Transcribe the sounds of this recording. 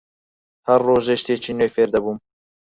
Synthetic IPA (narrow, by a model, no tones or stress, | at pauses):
hɐrːoːʒeʃt̪eːt͡ʃʰiːnøːjfeːɾd̪ɐbuːm